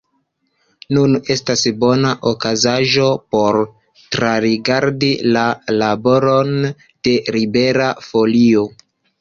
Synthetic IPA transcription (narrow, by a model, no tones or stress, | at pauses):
nune̞stasbo̞naʔokazaʒo̞po̞ɾ | tɾaɾiɡaɾdilalabo̞ɾo̞n | d̥e̞ɾibe̞ɾafo̞lio̞